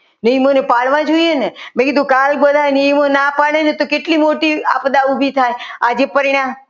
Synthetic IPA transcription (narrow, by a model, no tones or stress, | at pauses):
nəjmənepaɭʋãd͡ʒoijenemẽkid̪ʱũkalbəd̪ʱanimonapaɭenet̪okeʈlimoʈia̰pd̪aubʱit̪ʰajad͡ʒepəɾiɽ̃ãm